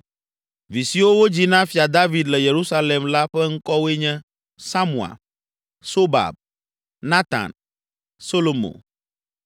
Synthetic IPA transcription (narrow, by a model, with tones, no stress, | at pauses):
vi˨si˨wo˦wo˦d͡ʑi˦nã˦fi˨a˨d̪a˦vi˨d̪lɛ˨je˨ɾu˦sa˦le˨mla˦ɸɛ˦ŋ̩˦kɔ˦we˦ɲɛ̃˦ | sa˦mũ˨a̰˨ | so˦ba̰˨b̚ | nã˦t̪ã̰˨n | so˦lo˨mõ̰˨